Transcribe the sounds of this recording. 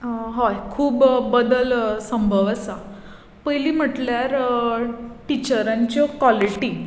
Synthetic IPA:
ɦɔjkʰuːbbəd̪əlsəmbʱəʋasa | pəjliːm̤əʈljaɾ | ʈit͡ɕəɾãɲt͡ɕjɔkʋɔliʈi

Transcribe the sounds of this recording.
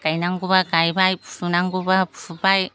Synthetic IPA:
kajnaŋɡuβakajbajpu̥sunaŋɡubapu̥subaj

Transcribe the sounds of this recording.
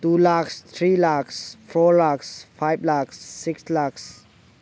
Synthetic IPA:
tuːlakst̪ʰɾiːlaksfɔlaksfaɪblaksːɪkslaks

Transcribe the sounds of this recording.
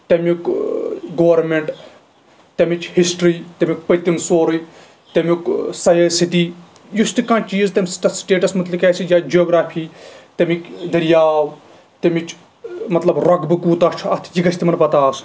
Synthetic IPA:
t̪ɐmʲuk | ɡoːɐɾmeɳʈ | t̪ɐmit͡ʃhisʈɾiːt̪ɐmʲik̚pɐjʲt̪imsoːɾɨ | t̪emuksɐjeːsit̪iː | just̪ikãːt͡ʃiːzt̪ɐmsʈɐsʈeːʈɐsmɐt̪likɛːsijaːd͡ʒoːɡɾaːfʰiːt̪emikd̪ɐɾjaːw | t̪ɐmit͡ʃ | mɐt̪lɐbɾɐɡbɨkuːt̪ɐt͡ʃʰɐt̪ʰjiɡɐt͡ʃʰʲt̪imɐnpɐt̪aːs

